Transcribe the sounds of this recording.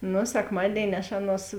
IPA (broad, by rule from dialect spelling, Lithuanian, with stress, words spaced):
ˈnʊ sʲɛkˈmɑːdʲeːɪnʲɪ ɐʃ ˈɑːˌnuɔs